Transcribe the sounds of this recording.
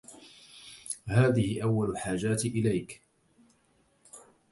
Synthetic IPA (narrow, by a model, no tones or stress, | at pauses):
haːðɪhɪʔawːalʊlħaːd͡ʒaːt̪ʔɪlajk